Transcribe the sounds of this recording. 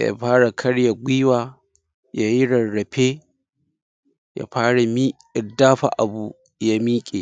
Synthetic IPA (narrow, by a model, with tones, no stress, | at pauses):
ja̰˨˦ɸaː˦ɽa˨kʰɐ˦ɽja˨ɡʷiː˦waː˨ | ja˦ji˦ɽɐ˨ɽɐ˨ɸʰe˦ | ja̰˨˦ɸaː˦ɽa˨mi˦ | ɪ˨daː˦ɸa̰˨ʔa̰˨bu˨ | ja˦miː˦kʲʼeː˨